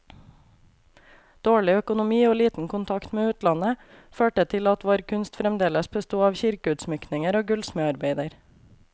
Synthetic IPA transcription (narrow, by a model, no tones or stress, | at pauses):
d̪̥oːɭɪœkʊnʊmiːoːliːt̪n̩kʰʊnt̪ʰɑkt̪meːʉːt̪lɑnə | føːʈət̪ʰɪlɑt̪ʋoːɾkʰʉnst̪fɾɛmd̪eːləsbəst̪uːɑːʋçɪɾkəʉːt̪smʏknɪŋəɾoːɡʉlsməɑɾbeɪd̪əɾ